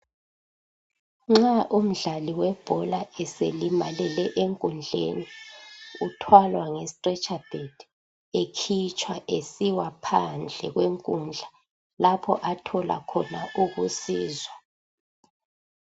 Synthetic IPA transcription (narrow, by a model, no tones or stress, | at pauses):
ŋ͡ǁaʔum̩ɮaliwɛb̥ʱɔlaɛselimalɛlɛʔeŋkʼund͡ɮʱḛni | utʰwalwaŋɛstʼrɛt͡ʃʼab̥ʱed̥ | ekʰit͡ʃʼwaʔesiwapʰand͡ɮʱɛɣweŋkʼund͡ɮʱa | lapʰɔʔatʰɔla̰kʰɔnaʔuɣusiːzwa